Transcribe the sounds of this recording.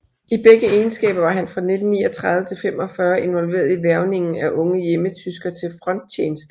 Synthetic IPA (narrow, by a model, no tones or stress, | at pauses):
ib̥eɡ̥əeːnsɡ̥ɛ̰ːb̥ɐʋɑ̈ɦænfʁɑ̈ne̝d̥n̩ːiːɒt͡sʰʁɑ̈ð̞ˠʋət͡sʰe̝lfemɒ̽fɶːɐe̝nʋɒ̽lʋe̝̰ːɐð̞ˠiʋæɐʊne̝ŋn̩æʔɔ̽ŋəjemət͡sʰysɡ̥ɐt͡sʰe̝lfʁɒ̽n̰d̥̚t͡ɕʰjḛːnəsd̥ə